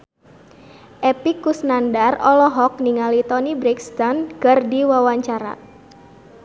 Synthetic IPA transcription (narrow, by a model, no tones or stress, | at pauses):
ʔepikːusnandarɔlɔɦɔk̚niŋalit̪ɔnibɾɛkst̪ɔnkərdiwawaɲt͡ʃaɾa̰